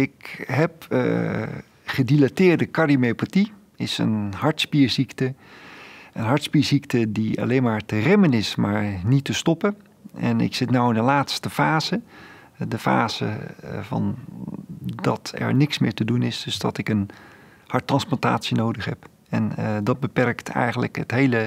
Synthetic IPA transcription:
ɪkɦɛp | χədilatɪːɹdəkarimepati | ɪsə̰nhɑɹtspiːɹziktə | ənɦɑɹtspiːɹziktədia̰lejnmaːɹtərɛmənɪsmaːɹnitəstɔpə | ɛ̰nɪ̰ksɪtnawɪndəlaːtstəfaːzə | dəfa̰ːz̥ə̰vɑ̰n | dɑtʰɛ̰ɹnɪksmɪːɹtədunɪsdɵzdɑ̰tɪkən | hɑɹtːrɑnsplɑnta̰ːtsinowdəχhɛp | ɛndɑd̚bəpɛrktʰɛ̰jχənlə̰kətɦejlə

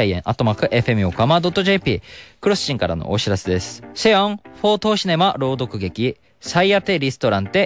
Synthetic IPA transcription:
aiḛ̃ɰ̃ʔat̪ːomakɯ̟ʔe̞ɸe̞mɯ̟okamad̪o̞t̪ːo̞ʑe̞ːpʲiːkɯ̟ɾo̞sɨ̥t͡ɕĩŋkaɾa̰no̰ʔoɕiɾase̞d̪e̞sɨ̥se̞õŋɸo̞ːt̪o̞ːɕine̞maɾo̞ːd̪o̞kɯ̟ɡe̞kʲi | saiat̪e̞ɾʲisɨ̥t̪o̞ɾãnt̪e̞

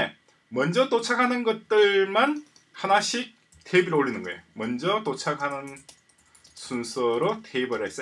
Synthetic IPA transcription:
e | mʌnd͡ʑʌt͈ot͡ɕʰaɡɦanɯnɡʌt̚t͈ɯɭman | hanaɕʰik̚ | teibɯɾoɭːinɯnɡʌejomʌnd͡ʑʌt͈ot͡ɕʰaɡɦanɯn | sʰunsʰʌɾotʰeibɯɭhe̞s͈ʌ

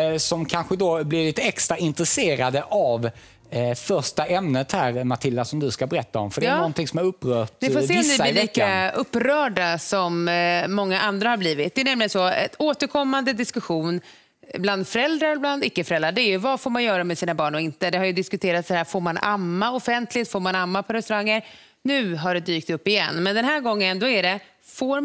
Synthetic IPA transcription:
sɔmkʰanɧəd̪oblɪɾlɪt̪ːəɛkst̪ɾaɪnt̪ɾəseːɾad̪əʔav | fœʂʈaʔɛmnət̪hæːɾmaʈʰɪlːasɔmd̪ɵskabɛɾɛt̪ːaɔmfəɖɛnɔnt̪ɪŋsɔmaɾɵpːɾœːʈnɪfoːseːsaɪliːkːaɵpːɾœːɖasɔmːɔŋːaʔand̪ɾahaɾbliːvɪt̪̚d̪ɛːnɛmlɪɡənsɔɛ̰t̪oːt̪əɾkʰɔmːand̪əd̪ɪskɵɧuːn | bland̪fœɾɛld̪ɾaɾbland̪ɪkːəfœɾɛlːɾaɖɛːjɵvafoːɾmanjœːɾamɛsiːnabɑːɳɔɪnt̪əd̪ɛhaɾjɵd̪ɪskɵt̪ʰeːɾat̪sahæːɾfoːɾmanʔamːaɔfɛnt̪lɪt̪foːɾmanamːapʰɔɾɛst̪ɵɾaŋːəɾ | nʉ̟ːɦaɖɛd̪yːk̚t̪ɵpːɪjɛ̰nːmɛnd̪ɛnɦæːɾɡɔŋːənd̪ɔæɖɛ | foːɾ

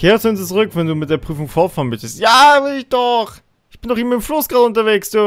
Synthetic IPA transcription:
kʰeːʁəsuʊnst͡suʁʏkvɛnduːmɪt̚d̥eːɐpʁ̥yːfʊŋfɔɐfaɐnmʏtəstjaːvɪlɪçd̥ɔχ | ʔɪçb̥ɪndɔχɪːmɐɪmflʊsɡ̥aːlʊntɐveːksd̥uː

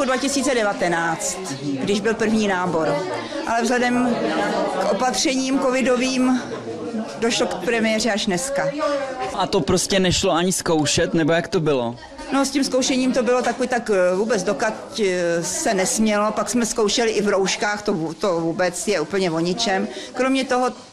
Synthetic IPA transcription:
udvacɪsiːt͡sɛdɛvat̪ɛnaːt͡st̪ | ɡdɪʒbɪlpr̩vɲiːnaːbo̞ɾ | ʔa̰lɛvzɦlɛdɛm | kʔo̞pat̪r̝̥ɛɲiːmko̞vɪdo̞viːm | doʃlokpɾɛmɪjɛrɪaʃnɛskaʔat̪opɾoscɛnɛʃloaɲɪskowʃɛt̪nɛbojakt̪obɪlo̰ | noscɪmskowʃɛɲiːmt̪o̞bɪlot̪akovit̪akvuːbɛt͡sdo̞kat | sɛnɛsmɲɛlopaksmɛskowʃɛlɪʔɪvɾowʃkaːxt̪ot̪ovuːbɛt͡sjɛʔuːpl̩ɲɛvo̞ɲɪt͡ʃɛmkɾo̞mɲɛt̪o̞ɦo

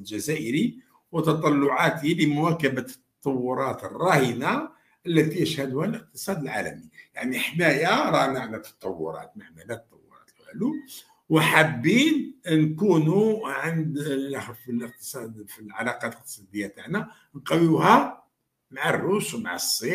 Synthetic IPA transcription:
lʒæzæʔəɾi | wət̪ɑt̪ˤɑlːʊʕat̪iləmʊwækəbat̪ːɑt̪ːˤɑwːʊɾˤɑt̪ərˤːɑhəna | ʔəlːæt̪ijəʃhæd̪ʊhælʔəq̚t̪əsˤɑd̪əlʕa̰læmijaʕniħmæjæɾˤɑnaʕnæt̪ɑ̥t̪ˤɑwːʊ̰ɾˤɑ̰t̪maʕmælæt̪ɑt̪ˤːɑwːʊ̰ɾˤɑ̰t̪lælu | wħabːinnkunuʕənd̪xfiləq̚t̪ə̥sˤɑd̪filʕalɑqɑləq̚t̪ə̥sˤɑd̪əjːat̪aʕnæ | nqɑwiwhæ | maʕarːuswmaʕasˤːi

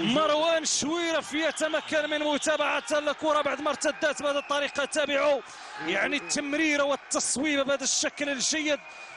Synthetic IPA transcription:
mɑɾˤwænʃwiɾæfijæt̪æmækːænmənmʊt̪æbaʕat̪ælækuɾˤɑbaʕd̪məɾˤt̪æd̪ːæt̪bad̪æt̪ˤːɑɾiqɑt̪ːæbəʕu | jaʕnit̪ːəmɾiɾawət̪ːɑsˤwibbæd̪æʃːækləlʒæjːəd̪̚

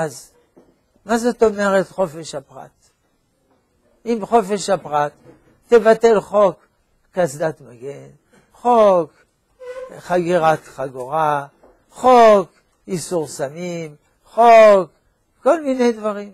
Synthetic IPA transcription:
az | mazot̪o̞meʁet̪χo̞feʃapʁa̰t̪ | imχo̞feʃhapʁat̪ː | evate̞lχo̞kː | asd̪at̪maɡen | χok | χaɡiʁat̪χaɡoʁa | χo̞k | isuʁsamim | χok | ko̞lmine̞jd̪vaʁim

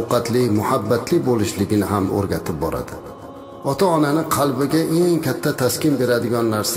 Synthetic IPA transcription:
qɑt̪lɪmʊhabːat̪lɪbolɪʃlɪɡʲɪnɪɦamo̰ɾɡʲat̪ʰɪp̚bɒ̰ɾa̰d̪ɪ | ɒt̪ʰaɒnanɪqʰɑlˠbɪɡʲaʔe̞ŋkʲʰat̪ʰːat̪ʰaskʲɪnbe̞ɾad̪ɪɡʲɒnːaɾs

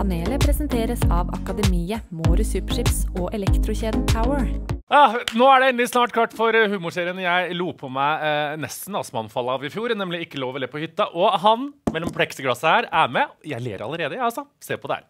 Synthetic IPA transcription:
ɑneːləpʰɾɛsənt̪ʰeːɾəsɑːʋɑ̰kɑd̪ɛmiːəmuːɾəsʉːpʂɪpsɔːʔɛlɛkt̪ɾʊçeːd̪n̩p̪ʰaʊəɹɑnoːæɖɛɛːnlɪsnɑːʈkʰɑʈːfɔɾhʉːmʊʂeːɾɪənjæɪluːpʰɔmæɪnɛst̪n̩ɑsmɑ̰nfɑlːəɑːʋɪfjuːɾnɛmlɪɪkːəloːʋəlɛpʰɔhʏt̪ːɑʔɔɦɑnmɛlːɔmpʰɽɛksəɡlɑsːəhæːɾæmɛjæɪlḛːʋəɾɑ̰ləɾeːd̪əjɑɑsɔsḛːpʰɔd̪ɛhæ̰ːɾ

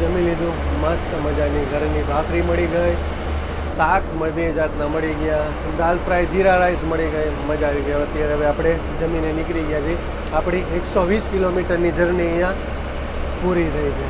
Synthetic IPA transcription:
d͡ʒəmĩnlid̪ũmast̪məd͡ʒaniɡʱəɾnibʱakʰɾiməɽiɡəj | sat̪ʰməd̪id͡ʒat̪naməɽiɡja | d̪alpɾajd͡ʒiɾaɾaisməɽiɡəjməd͡ʒaʋiɡəjõət̪jaɾeəʋeapɽ̃e | d͡ʒəminːenɪkɾiɡjad͡ʒʰe | apɽ̃ieksoʋiskilomiʈəɾnid͡ʒəɾniə̃jã | puɾiɾʰəɦit͡ʃʰe

